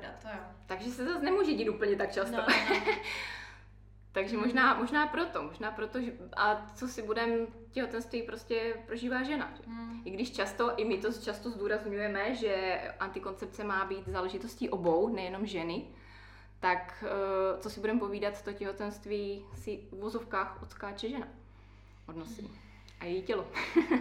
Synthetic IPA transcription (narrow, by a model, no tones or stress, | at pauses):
dat̪t̪aɡʒɛsɛzasnɛmuːʒɛɟiːt̪uːpl̩ɲɛt̪ak̚t͡ʃast̪o | t̪aɡʒɛmoʒnaːmo̞ʒnaːpɾo̞t̪omoʒnaːpɾot̪oʒɛʔat͡sosɪbudɛmcɛɦo̞t̪ɛnst̪viːpɾo̞scɛpɾoʒiːvaːʒɛna̰ʒɛʔɪɡdɪʃt͡ʃast̪o̞ʔɪmɪt̪ot͡ʃast̪ozd̪uːɾazɲujɛmɛʒɛʔant̪ɪko̞nt͡sɛp̚t͡sɛmaːbiːt̪zaːlɛʒɪt̪osciːʔobo̞wnɛjɛno̞mʒɛnɪ | t̪ak | t͡sosɪbudɛmpo̞viːdat̪t̪ocɛɦo̞t̪ɛnst̪viːsɪuvozo̞fkaːxott͡skaːt͡ʃɛʒɛna | ʔodnosḭ | ʔajɛjiːcɛlo